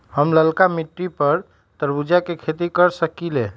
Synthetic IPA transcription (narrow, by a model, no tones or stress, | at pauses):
həmləlkamiʈːipəɾ | t̪əɾbud͡ʒjakekʰet̪ikəɾsəkile